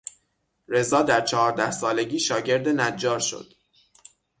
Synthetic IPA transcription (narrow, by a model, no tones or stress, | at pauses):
ɾe̞zɒːd̪æɾt͡ʃʰɒhɒːɾd̪æhsɒːle̞ɟiːʃɒːɟe̞ɾd̪enæd͡ʒːɒːɾʃo̰d̪̥